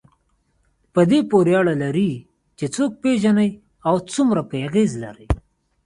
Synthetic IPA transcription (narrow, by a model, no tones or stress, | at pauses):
pəd̪epoɾjɑɽalaɾi | t͡ʃet͡sok̚peʒanaj | awt͡sumɾapejaɣezla̰ɾij